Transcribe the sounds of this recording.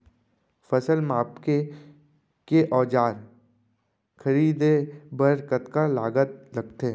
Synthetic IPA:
fəsəlmaːpke | keʔɔːd͡ʒaːɾ | kʰəɾiːd̪ebəɾkət̪kalaːɡət̪̚lɐɡt̪e

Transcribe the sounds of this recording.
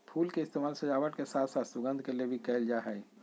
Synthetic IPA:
pʰuːlkeɪst̪eːmaːlsəd͡ʒaːʋəʈkesaːt̪ʰsaːt̪sʊɡə̃nd̪ʱkeliebʱikɛld͡ʒaɦɛj

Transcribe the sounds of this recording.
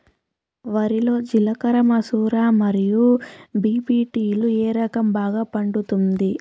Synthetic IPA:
ʋɐɾilo̞ːd͡ʒilɐkɐɾɐmɐsuːɾaːmɐɾijubiːpiːʈiːlueːɾɐkɐmbaːɡaːpɐɳɖut̪und̪i

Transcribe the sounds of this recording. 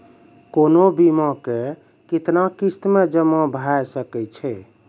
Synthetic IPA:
konobimɔ̃ke | kit̪nakist̪med͡ʒəmɔ̃bʱajsəkɛt͡ʃʰɛ

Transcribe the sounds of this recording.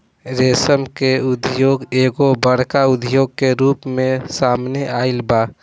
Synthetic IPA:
ɾeːsəmkeʊd̪ʱjoːɡeːɡobəɽkaʊd̪ʱjoːɡ̚keɾuːpmẽsaːmneʔaːɪlbaː

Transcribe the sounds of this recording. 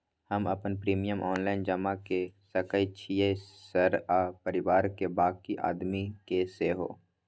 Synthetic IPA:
həmə̰pənpɾiːmijəmʔɔːnlaːɪnd͡ʒəmakesəkəit͡ʃʰijəsəɾapəɾɪwaːɾkebaːkiʔa̰ːd̪mikeseɦo̰ː

